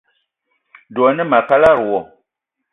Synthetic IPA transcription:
dɔ˨nɨ˦ma˨pa˦la˦˨ɾu˨wɔ˨

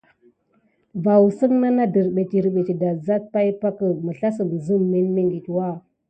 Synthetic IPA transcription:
va˨wu˨sə˦ŋna˦na˦də˨ɾɓe˨t͡ʃi˨ɾɓe˨t͡ʃi˨da˨za˦t̚pa˦i˦pa˦kə˨mə˨ɬa˦sə˨m˨zə˦mːe˦nme˦ŋɡi˨twa˦˨

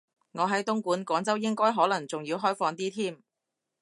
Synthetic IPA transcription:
ŋɔː˨˧ɦɐ˨˥jt̪ʊ˥ŋkuː˨˥nkʷɔː˨˥ŋt͡sɐ˥wjɪ˥ŋkɔː˥jɦɔː˨˥lɐ˨˩ŋt͡sʊ˨ŋjiː˧wɦɔː˥jfɔː˧ŋt̪iː˥t̪ʰiː˥m

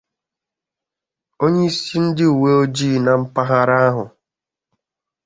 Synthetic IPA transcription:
o˦ɲe˦i˦si˦n̩˦dɪ˦u˨we˦o˦d͡ʒiː˦˨na˨m̩˦pa˦ɦa˦ɾa˦a˦ɦʊ˨

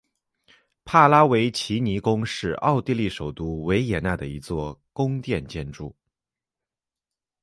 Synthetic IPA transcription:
pʰa˥˩la˥we˧˥ɪt͡ɕʰi˧˥ni˧˥kʊ˥ŋʂɻ̩˥˧ɑ˥˧ʊt̪i˥˧li˥˩ʂo˨˩ʊt̪u˥we˧˥ɪjɛ˨˩na˥˩d̪ə˩i˧˥t͡swɔ˥˩kʊ˥ŋt̪jɛ˥˧nt͡ɕjɛ˥˧nʈ͡ʂu˥˩

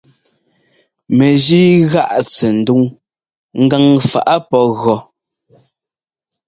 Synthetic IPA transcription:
me˨ʒiː˦ɣa˦ʔsɛ˨n̩˨du˦ŋ | ŋ̩˦ɡa˦˨ŋfa̰˨ʔa˦pɔ˦ɣɔ˨

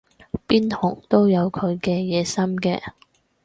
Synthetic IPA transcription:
piː˥nt̪ʰʊ˨˩ŋt̪o˥wjɐ˨˧wkʰɵ˨˧ɥkɛː˧jɛː˨˧sɐ˥mkɛ̰ː˧

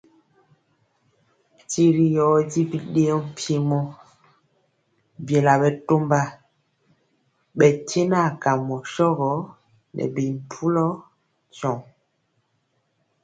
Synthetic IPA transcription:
ti˨ɾi˦jɔ˨˦di˦bi˦ɗe˦ɔ˦m˦pje˦mɔ˦ | bjɛ˨la˨bɛ˨to˦mba˦ | ɓɛ˨te˦na˦˨ka˨mɔ˨ʃɔ˦ɣɔ˨˦ | nʔɛ̰˨bi˨m˨pʰu˦lɔ˦ | t͡ʃɔ˨ŋ

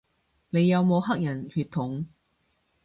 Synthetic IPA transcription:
ne˨˧jːɐ˨˧wmo˨˧wɦɐ˥k̚jɐ˨˩nhyː˧t̪ʰːʊ˨˥ŋ

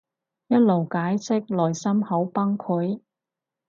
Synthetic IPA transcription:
jɐ˥t̚lo˨˩wkaː˨˥jsɪ˥k̚lɔː˨˩jsɐ˥mho˨˥wpɐ˥ŋkʰʊ˨˥j

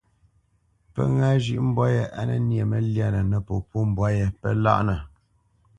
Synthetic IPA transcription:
pə̰˦ŋa˦ʒi˦ʔm̩˦bwa˦jə˦ʔa˦nə̰˦nje˨mə˦lja˦nə˨nə˨po˨po˦m˨bwa˦je˨pə˦la̰˦ʔnə˨

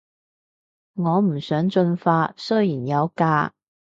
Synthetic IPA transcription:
ŋɔː˨˧˥m̩˨˩sœː˨˥ŋt͡sɵ˥nfaː˥sɤ˥˧ji˨˩njɐ˨˧˥wkaː˥

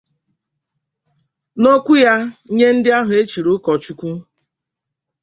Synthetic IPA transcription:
no˦kʷu˦ja˦ɲe˦n̩˦dɪ˦a˦ɦʊ˨e˦t͡ʃi˨ɾʊ˦kɔ˨t͡ʃu˦kʷu˦

